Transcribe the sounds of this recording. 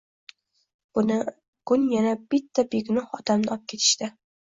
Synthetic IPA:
ʊnɪ | ɡ̥ʊnjanab̥ɪt̪ʰːabeɡʲnɒhɒd̪amnɪɒp̚kʲʰe̞t̪ʰɪ̥ʃt̪ɪ

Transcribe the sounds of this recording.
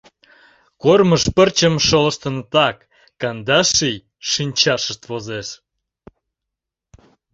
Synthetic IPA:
korməʃpərt͡ɕəmʃolə̆ʃt̪ə̆nət̪ɑkː | ɑnd̪ɑʃij | ʃinʲt͡ɕɑʃəʃt̪vozeʃ

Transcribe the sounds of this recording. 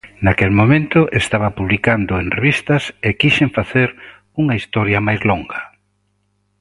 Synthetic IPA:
nakelmomẽnt̪ʊʔest̪aβɐpuβlikand̪ʊenreβist̪ɐsekiʃeɱfaθeɾ | uŋɐist̪ɔɾjɐmajzloŋɡɐ

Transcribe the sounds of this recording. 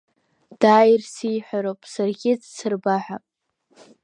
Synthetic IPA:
d̥aːjrsijħʷᶣaɾopʼsarɡʲɪd͡zt͡sʰɨrbaħʷa

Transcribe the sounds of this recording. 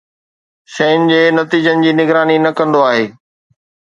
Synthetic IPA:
ʃɐʊnɪ̆d͡ʑeːnɐt̪iːd͡ʑənɪ̆d͡ʑiːnɪɡɾaːninɐkɐ̃nd̪oaːɦeː

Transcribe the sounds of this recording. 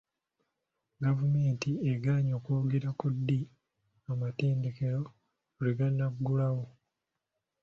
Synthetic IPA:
ɡavume̞ːntieɡaːɲo̞ːkuɡeɾakudːi | amate̞ːnde̞ke̞ɾo̞ | liɡanaɡːulaɣo

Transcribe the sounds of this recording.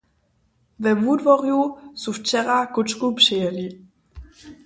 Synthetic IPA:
vɛmudvɔrjusuft͡ʃɛɾakut͡ʃkupr̥ɪjɛli

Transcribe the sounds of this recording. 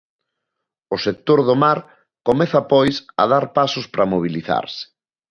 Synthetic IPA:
ʊsek̚t̪oɾðomaɾ | komɛθɐpɔjsɐ̰ðaɾpasʊspɾɐmoβ̞iliθa̰ɾsɪ̥

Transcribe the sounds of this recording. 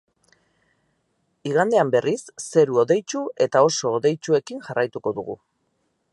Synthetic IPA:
iɣand̪e̞ambe̞risːe̞ɾuo̞ðe̞jt͡ʃue̞t̪ao̞so̞ːðe̞jt͡ʃue̞kiŋʝarajt̪uko̞ðuɣ̞ṵ

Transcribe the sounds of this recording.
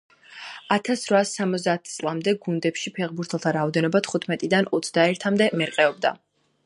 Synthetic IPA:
at̪ʰasɾvasamɔt̪zd̪aːt̪ʰt̪sʼlˠamd̪ɛɡund̪ɛpʃipʰɛʁbuɾt̪ʰɛlˠt̪ʰaɾaɔd̪ɛnɔbat̪ʰχut̪ʰmɛt̪ʼid̪anɔt̪sʰd̪aɛɾt̪ʰamd̪ɛmɛɾqʼɛɔb̚d̪a̰

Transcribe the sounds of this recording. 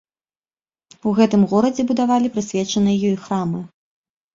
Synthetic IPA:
uɣɛt̪ɨmɣɔɾɐd͡zʲɛbud̪avalʲipɾɨsʲvʲɛt͡ʂɐnɨjɐjɔixɾamɨ

